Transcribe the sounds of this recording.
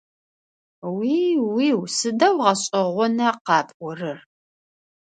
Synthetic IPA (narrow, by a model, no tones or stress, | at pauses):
wiːwiːwsɨdɐwʁɐɕʼɪʁʷɔnɐqɑːpʼʷɔrɨr